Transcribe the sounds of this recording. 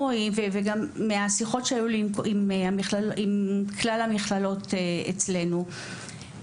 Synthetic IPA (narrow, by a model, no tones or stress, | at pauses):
oimveveɡamːeasiχo̞tʃeajulimkimamiχlalimkʰlalamiχlalo̞t̪eḛt͡sle̞nu